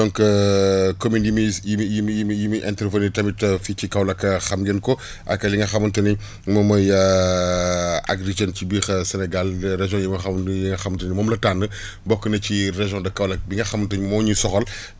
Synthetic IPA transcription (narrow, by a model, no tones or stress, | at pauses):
dɔŋkɐkominjimiijimjimjimiʔɛntɾvɐnitɐmitɐfit͡ʃikɐwlɐkːɐxɐmɡɛnkɔ | ʔɐ̰kːɐliŋɡɐxɐmɐntɐni | mɔmɐjɐ | ʔa̰ɡɾid͡ʒɐncibiːxsɛnɛɡalɾeʒɔ̃jimɐxɐmɐnjiŋɡɐxɐmtɐnimɔmlɐtaːnːə | bɔkːənɐcireʒjɔ̃ndɐkːɐwlɐk̚biŋɡɐxɐmɐntəɲmɔɲusɔxɔl